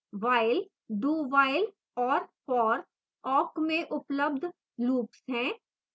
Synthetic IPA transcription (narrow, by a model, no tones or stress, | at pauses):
ʋaːɪl | ɖuːʋaːɪl | ɔːɾpɔːɾ | ɔːkmẽʔʊpləb̚d̪ʱ | luːpsɦɛ̃ː